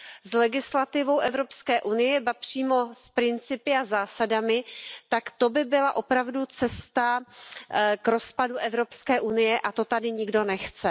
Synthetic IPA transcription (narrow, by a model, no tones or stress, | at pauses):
zlɛɡɪslat̪ɪvo̞wʔɛvɾo̞pskɛːʔunɪjɛbapr̝̥iːmo̞spɾɪnt͡sɪpɪazaːsadamɪt̪akt̪o̞bɪbɪlaʔo̞pɾavdut͡sɛst̪a | kɾo̞spaduʔɛvɾo̞pskɛːʔunɪjɛʔat̪o̞t̪adɪɲɪɡdo̞nɛxt͡sɛ